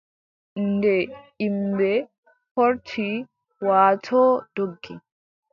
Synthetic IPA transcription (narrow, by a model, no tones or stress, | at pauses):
ndɛ | imbɛ | hɔɾtʰi | waːtʰɔːd̥oɡːi